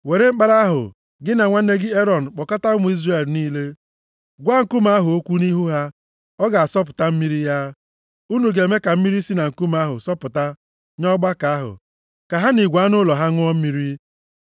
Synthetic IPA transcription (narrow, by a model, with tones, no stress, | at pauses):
we˨ɾe˦ŋ͡m̩˦k͡pa˦ɾa˦ɦʊ̰˨ | ɡɪ˦na˨ŋʷa˦n̩˦ne˦ɡɪ˦e˦ɾɔ˨n̩˨k͡pɔ˨ka˦ta˦ʊ˦mʊ˨i˦zre˨lniː˦le˦ | ɡʷa˦ŋ̩˦˨ku˦ma˦ɦʊ˨o˦kʷu˦ni˦ɦu˦ɦa˦ | ɔ˦ɡa˨a˨sɔ˦p̬ʊ˨ta˦m̩˦mi˦ɾi˦ja˦ | u˦nu˨ɡe˨me˦ka˨m̩˦mi˦ɾi˦si˦na˨ŋ̩˨ku˦m˨a˦ɦʊ̰˨sɔ˦pʊ˨ta˦ | ɲɔ˦ɡ͡ba˦ka˨a˦ɦʊ̰˨ | ka˨ɦa˦ni˨ɡʷa˨˦nʊ˦lɔ˨ɦa˦ŋʊ˦ɔ˦m̩˦mi˦ɾi˦